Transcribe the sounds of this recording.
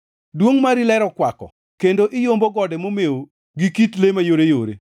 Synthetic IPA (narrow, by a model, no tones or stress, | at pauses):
dwoŋmaɾilɛɾɔkwakɔ̰ | kendoʔɪjomboɡɔdɛmomeo | ɡikitlemajoɾejoɾḛ